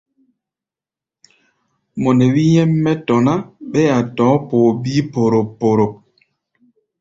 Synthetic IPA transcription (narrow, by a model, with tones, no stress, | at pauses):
mɔ˨nɛ˨wi˦jɛ˦mːɛ˦tɔ˨na˦ɓɛ˦a˨tɔ̃˨˦po˨bi˦po˨ɾo˨pːo˨ɾo˨k̚